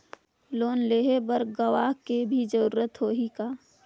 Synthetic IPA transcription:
loːnleːɦebəɾɡɐʋaːɦkebʱid͡ʒəɾuːɾət̪ɦoːɦikaː

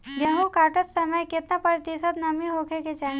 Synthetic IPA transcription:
ɡeɦũkaʈət̪səməjket̪napəɾt̪isət̪nɐmiɦokʰeket͡ʃa

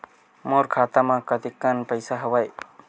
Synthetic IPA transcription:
moɾkʰaːt̪amãkət̪ikːənpəjsaɦəʋaj

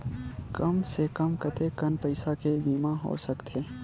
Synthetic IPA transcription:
kɐmsekɐmkɐt̪ekɐnpɐɪsakebiːmãɦo̰ːɾsɐkt̪ʰeː

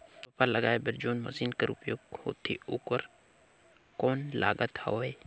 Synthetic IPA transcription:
pɐpaləɡaːebəɾd͡ʒoːnmɐ̰siːnkəɾʊpjoːɡ̚ho̰ːt̪ʰḭuːkəɾ | kɔːnla̰ːɡət̪ho̰ːeː

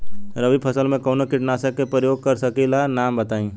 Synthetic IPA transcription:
ɾəʋipʰɐsəlmẽkɔːnokɪʈnaːsekːepɾəjoːɡ̚kɐɾsɐkilanaːmbɐt̪aːĩː

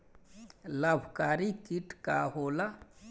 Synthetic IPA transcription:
labʱkaɾikiʈkaɦola

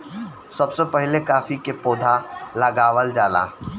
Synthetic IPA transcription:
sɐbsepɛɦlekaːfikepoːd̪ʱalɐɡaːʋəld͡ʒaːla̰ː

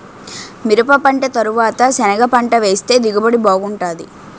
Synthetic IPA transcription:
miɾupɐpɐɳʈet̪ɐɾuʋaːt̪ɐsɛnɐɡɐpɐɳʈɐʋe̞ːst̪e̞ːd̪iɡɐbɐɽiboːɡuɳʈaːd̪i

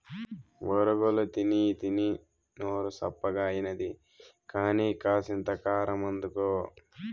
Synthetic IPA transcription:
ʋɔɾuɡolut̪init̪ini | noːɾusɐ̰pːɐɡaːjinɐd̪i | kaːniːkaːsint̪ɐkaːɾɐmɐnd̪ukoː

